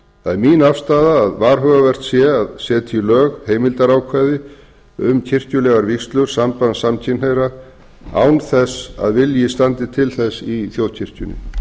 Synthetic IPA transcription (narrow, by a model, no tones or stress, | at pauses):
θaðɛɾminafst̪aːðaːðvaːɾ̥ɦœːɣavɛr̥t̪sjɛaðsɛːt̪ʰilœːɣheːjmɪlt̪aɾawkʰvajðɪ | ʏmcʰɪr̥cʏlɛːɣaɾvikst̪lʏɾ̥sampansamcʰɪnhejɾa | a̰ːwnθɛsa̰ðvɪljɪst̪ant̪ɪt̪ʰɪlθɛsiθjowðcʰɪr̥cʏnɪ̰